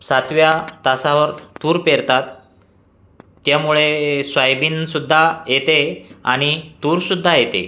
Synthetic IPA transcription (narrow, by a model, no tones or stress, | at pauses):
sat̪ʋjat̪asaʋəɾt̪uːɾpeɾt̪at̪ | jamuɭesʋajbiːnsud̪ʱːajet̪ea̰ɽ̃it̪uːɾsud̪ʱːajet̪ḛ